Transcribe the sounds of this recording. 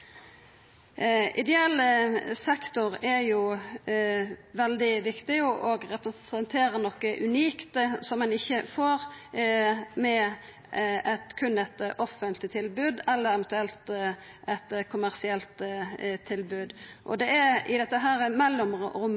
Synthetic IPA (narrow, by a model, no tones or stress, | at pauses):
ɪ̰d̪ɛɑːləsɛkt̪ʊɾɛɾjʊ | ʋɛld̪ɪʋɪkt̪ɪʊʔɔɡɾɛpɾəsɛnt̪ʰeːɾəɾnɔkːəʔʉniːkt̪əsɔmːɛnɪçːəfoːɾ | mɛ | ɛt̪kʰʉnːɛt̪ʔɔfːənt̪ʰlɪt̪ʰɪlbʉːd̪ɛlːəɾɛʋɛnt̪ʉɛlt̪ | ʔɛt̪kʰʊmæʁsɪɛlt̪t̪ʰːɪlbʉːd̪ʔɔ̰d̪ɛʔɛɪ̰d̪ɛt̪ːəɦæːɾəmɛlːɔmɾʊm